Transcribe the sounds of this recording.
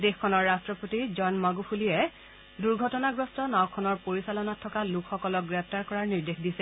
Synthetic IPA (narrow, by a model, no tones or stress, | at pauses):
dexkʰːɔnɔɹːastɹɔpotizɔnmaɡupʰulijɛ | duɹɡʱɔtɔnaɡɹɔstɔnawkʰːɔnɔɹpoɹisalɔnatʰːɔkalukxɔkɔlɔk̚ɡɹɛp̚ʰtaɹkɔɹaɹniɹdexdisɛ